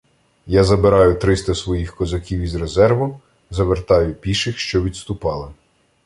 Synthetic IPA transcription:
jazɐbeɾɑjʊt̪ɾɪst̪ɐsʋɔjixkɔzɐkʲiwizrezɛrʋʊm | zɐʋert̪ɑjʊpʲiʃɪxʃt͡ʃɔʋʲid̪st̪ʊpɑlˠɪ

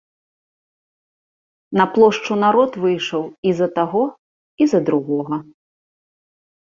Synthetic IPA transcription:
nɐplˠɔʂt͡ʂunaɾɔt̪vɨjʂɐwizɐt̪aɣɔ | izɐd̪ɾuɣɔɣɐ

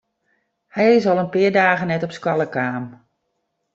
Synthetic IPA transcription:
hɛjɪsɔlˠənpɪədaːɣənɛtɔpskwalˠəkaːm

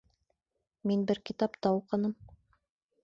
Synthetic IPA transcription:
minbɘɾkʲit̪ɑpt̪ɑuqɤ̆nɤm

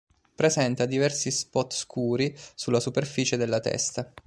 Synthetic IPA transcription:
pɾezɛnt̪ad̪ivɛrsispɔt̪skʰuːɾisulːasuperfiːt͡ʃed̪elːat̪ɛ̰st̪a

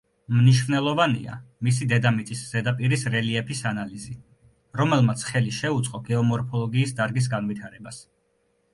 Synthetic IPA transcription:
mniʃvnɛlˠɔvanḭa̰mis̬id̪ɛd̪amit̪sʼisz̥ɛd̪apʼiɾisɾɛliɛpʰisanalizi | ɾɔmɛlˠmat̪sʰχɛliʃɛut̪sʼqʼɔɡɛɔmɔɾpʰɔlˠɔɡiːsd̪aɾɡis̬ɡanvit̪ʰaɾɛbas

